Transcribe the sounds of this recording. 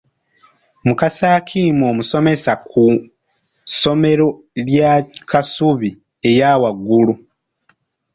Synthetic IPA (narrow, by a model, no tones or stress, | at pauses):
mukasaːkʰiːmo̞ːmuso̞me̞saku | so̞me̞ɾo̞ | ljakʰasuβi | e̞jaːwaɡːulu